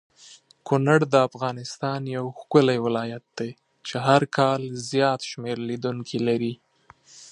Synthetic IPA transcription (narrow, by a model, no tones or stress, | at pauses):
kʊnaɽd̪əafɣɑnɪst̪ɑnjawxkʊlajwɪlɑjat̪̚d̪̥e | t͡ʃeɦaɾkʰɑlzjɑt̪ʃmeɾlid̪uŋkʰilaɾi